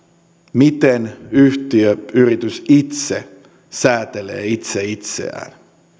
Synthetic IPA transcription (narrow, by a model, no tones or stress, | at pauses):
mit̪enyht̪iøyrit̪ysit̪se | sæːt̪elḛːit̪seit̪sḛæ̰ːn